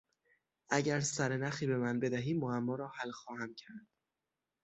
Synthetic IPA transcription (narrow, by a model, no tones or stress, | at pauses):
ʔæɟæɾsæɾenæxiːbe̞mænbe̞d̪æɦiːmːoæmːɒːɾɒːhælxɒːhæmcʰæɾd̪̥